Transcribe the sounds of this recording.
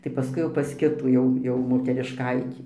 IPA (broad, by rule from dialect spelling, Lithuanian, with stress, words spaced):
tɐɪ pɐˈskʊɪ jɛʊ pɐs ˈkʲɪtuː ˈjɛʊ ˈjɛʊ moːtʲɛrʲɪʃˈkɐɪtʲiː